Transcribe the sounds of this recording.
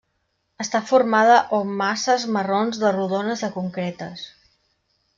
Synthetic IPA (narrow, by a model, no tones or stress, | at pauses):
əst̪afuɾmaðəʔomːasəzməronzðəruðonəzəkuŋkɾet̪əs